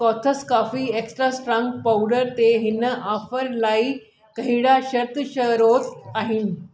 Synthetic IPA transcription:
kɔt̪ʰəskafiːeksʈɾasʈɾãŋɡpawɽəɾt̪eɦinəʔafəɾlaiː | kəɦiɽaɕəɾt̪əɕəɾot̪aɦin

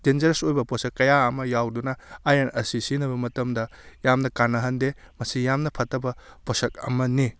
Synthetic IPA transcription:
d̥end͡ʒɐɾsojbɐposɐkːɐjaɐmɐjawdunɐːjɐnɐsisinɐbɐmɐtɐmdɐ | jamnɐkanːɐɦɐnde | mɐsijamnɐpʰɐtːɐbɐposɐk̚ɐ̰mɐni

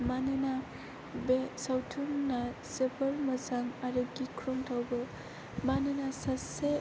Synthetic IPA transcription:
manɯna | besawtʰuŋnasebʰəɾmɐzaŋaɾɯɡikʰɾɔŋtʰawbɯ | manɯnasase

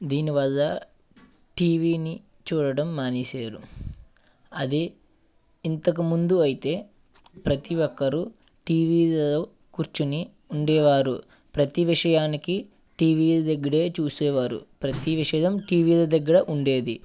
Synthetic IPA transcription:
d̪iːniʋɐlːɐ | ʈiːʋiːni | t͡ʃuːɽɐɽɐmːaːniːseːɾu | ɐd̪iː | nt̪ɐk̬umund̪uɐjit̪e̞ː | pɾɐt̪iɔkːɐɾu | ʈiːʋiːlɐo | kuɾt͡ʃuni | uɳɖɛːʋaːɾu | pɾɐt̪iʋiʂɐjaːniki | ʈiːʋiːlɐd̪ɐɡːɐɽe̞ːt͡ʃuːsɛːʋaːɾṵpɾɐt̪iʋiʂɐjɐmʈiːʋiːlɐd̪ɐɡːɐɽɐʔuɳɖe̞ːd̪i

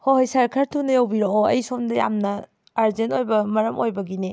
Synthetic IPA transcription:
hoɦɐjsaɾkʰaɾtʰunɐjɐwbiɾooɐ̰jsomdɐja̰mnɐ | aɾzentojbɐmɐɾɐmʔojbɐɡini

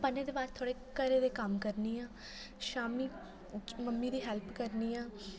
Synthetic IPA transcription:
pənẽːd̪eːbaːɾt̪ʰoːɽeːkəɾeːd̪eːkəmkəɾniːãː | ʃaːmiː | məmːiːd̪iːɦɛːlpʰkəɾniːãː

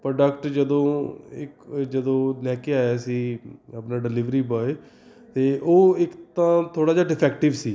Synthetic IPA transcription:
pɾɖəkʈd͡ʒəd̪õːɪkd͡ʒəd̪õːnɛːkeaːjaːsiːəpnãːɖɪlɪʋɾiːbɔːe | t̪eːʔoːɪkt̪ãːt̪ʰoːɽaːd͡ʒaːɖɪpʰɛːkʈɪʋsiː

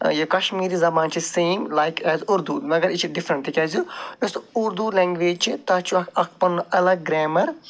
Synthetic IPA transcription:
jɐkɐʃmiːɾizɐbãːnt͡ʃʰisẽːmlajkʰɛːzuɾd̪umɐɡɐɾit͡ʃʰiɖifɾɐɳʈ̪ikɐzud͡ʒɐsʊɾd̪ulɛːŋɡʋeːd͡ʒt͡ʃʰit̪aːt͡ʃʰuɐkɐkpɐnːʔɐlɐɡ̚ːɾɛːmɐɾ

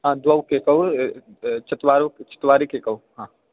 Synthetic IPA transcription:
ɦãd̪wɐwkekɐw | t͡ʃɐt̪waːɾt͡ʃɐ̥t̪waːɾikeːkɐwɦãː

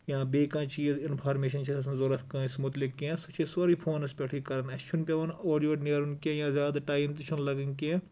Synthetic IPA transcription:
jãːbeːkãːt͡ʃiːzɪnpʰaːɾmeːʃɐnt͡ʃʰeɐsnzoɾɐfkãːɪsmʊt̪lɪkːẽsɐt͡ʃʰesoːɾiːpʰoːnɐsbʲeʈʰiːkɐɾɐnɐkt͡ʃʰunpʲɐʋɐnoːɖijoːneːɾunkẽːjãːzjaːd̪aʈaːjimt̪it͡ʃʰunlɐɡɐnkẽ

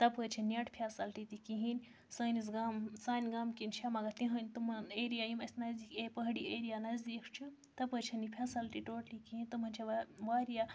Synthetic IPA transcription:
t̪ɐpət͡ʃʰɐnʲɐʈpʰʲaːsɐlʈit̪ikiɦinʲ | səːnis̬ɡaːmsaːnʲɡaːmkinʃʰamɐɡɐt̪ĩɦɐnʲt̪umɐneɾijajimɐsʲnɐzd̪ikʰepəɦɽieːɾijanɐzd̪ikʰt͡ʃʰi | t̪ɐpət͡ʃʰɐnipʰʲaːsɐlʈiʈoːʈlikiɦĩnʲt̪umɐnt͡ʃʰɐʋʋaːɾija

